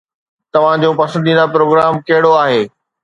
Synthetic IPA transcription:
t̪ɐʋ̤ãd͡ʑõːpɐsə̃nd̪ĩːnapɾoːɡɾaːmkɐɦɪɽoaːɦeː

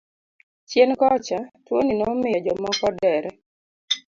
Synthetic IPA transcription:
t͡ʃjɛnkɔt͡ʃatwoninɔmɪɔd͡ʒɔmɔkɔdɛɾɛ

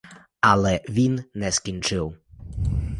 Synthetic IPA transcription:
ʔalɛvʲinːɛskʲint͡ʂɨw

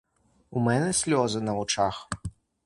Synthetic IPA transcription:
umɛnɛsʲlʲɔzɨnɐvut͡ʂax

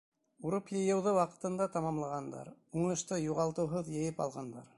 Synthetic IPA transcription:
uɾɤpjɤ̆jɤ̆wðɤwɑqɤ̥̆t̪ɤ̆nd̪ɑt̪ɑmɑmlˠɑʁɑnd̪ɑ̰ɾuɴɤ̆ʃt̪ɤjuʁɑlˠt̪ɤ̆wɦɤðjɘ̆jɘpɑ̰lˠʁɑnd̪ɑ̰ɾ

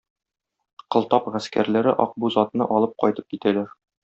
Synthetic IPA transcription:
qɤ̆lˠt̪ɑpʁæskæ̰ɾlæɾɘʔɒ̰q̚buzɒt̪nɤʔɒlˠɤp̚qɒjt̪ɤp̚kit̪ælæɾ

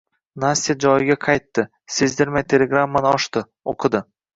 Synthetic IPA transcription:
nast̪ːijad͡ʒɒjɪɡʲaqʰɑjt̪ːɪ | sezd̪ɪɾmat̪ʰelʲeɡɾamːanɪɒʃt̪ɨ | oqʰɨd̪ɪ

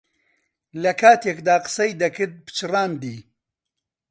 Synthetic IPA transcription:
lɐkʰaːt̪ʰekd̪aːqɨ̥sɐjd̪ɐkɨɾd̪̚bɨ̥t͡ʃɨraːnd̪iː

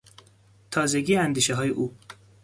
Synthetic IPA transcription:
t̪ʰɒːzeɡiːænd̪iːʃeɦɒːjeʔuː

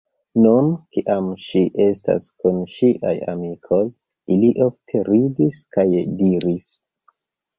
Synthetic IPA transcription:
nunkiʔamʃiʔe̞sta̰skunʃiʔa̰ja̰mikʰoj | iliʔo̞ftʰe̞ɾidiskajdiɾis

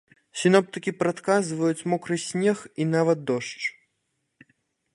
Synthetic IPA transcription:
sʲinɔp̚t̪ɨkʲipɾat̪kazvɐjut͡sʲmɔkɾɨsʲnʲɛxinavɐd̪̚d̪ɔʂt͡ʂ

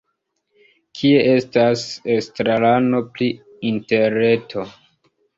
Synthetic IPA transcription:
kʰie̞ʔe̞stasestɾalano̞pli | inte̞ɾe̞tʰo̞

